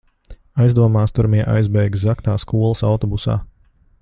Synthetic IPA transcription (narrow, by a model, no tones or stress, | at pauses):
ajzd̪uɔmaːst̪uɾmiɛʔa̰jzbɛjɡzaknaːskuɔlˠəsawt̪ɔbusa̰ː